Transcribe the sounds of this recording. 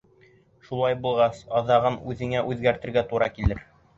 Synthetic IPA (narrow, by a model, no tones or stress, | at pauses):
ʃulˠɑjbulˠʁɑsɑðɑʁɤnʉðɘ̆ŋæʔʉðɡæɾt̪ɘ̆ɾɡæt̪uɾɑkilɘɾ